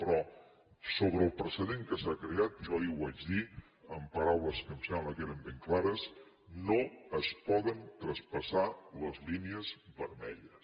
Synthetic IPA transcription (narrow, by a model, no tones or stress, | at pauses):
pɾɔ | soβɾəːlˠpɾəsəðeŋkəsakɾeat̪̚ʒɔiwad͡ʒði | əmpəɾawləskəmsɛmbləkeɾəmbeŋklaɾəs | noəspɔðənt̪ɾəspəsaləzliniəzbəɾmɛʎəs